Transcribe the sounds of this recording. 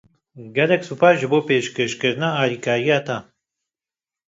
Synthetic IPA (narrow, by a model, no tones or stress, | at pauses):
ɡɛlɛksuːpaːsʒɨboːpeːʃkeʃkɨɾnaːaːɾiːkʰaːɾijaːt̪aː